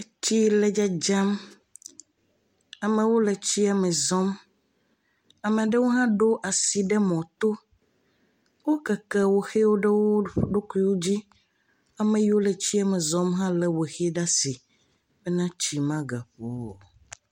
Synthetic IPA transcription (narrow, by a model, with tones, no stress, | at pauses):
t͡ɕi˦le˦d͡ʒa˦d͡ʒa˦m | a˨mẽ˨wo˦le˨t͡ɕi˦a˨mẽ˨zɔ˦m | a˨mɛ̃˨ɖe˦wo˦ɦã˦ɖo˦ʔa˨si˨ɖɛ˦mɔ̃˨t̪o˦ | wo˦kɛ˨kɛ˦˨wo˨xe˦wo˦ɖe˦wo˦ɖo˦ku˦i˦wo˦d͡ʑi˦ | a˨mẽ˨ji˦wo˦le˨t͡ɕi˦a˨mẽ˨zɔ̃˦mɦã˦lɛ˨wo˨xe˦ɖa˦si˨ | bɛ˦nã˦t͡ɕi˨mã˦ɡa˨ɸo˦˨